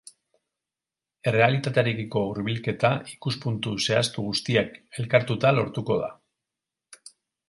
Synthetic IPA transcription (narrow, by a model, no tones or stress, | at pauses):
e̞re̞alit̪at̪eɾekiko̞uɾβilke̞t̪aikuspunt̪use̞ast̪uɣust̪iake̞lkaɾt̪ut̪alo̞ɾt̪uko̞ða̰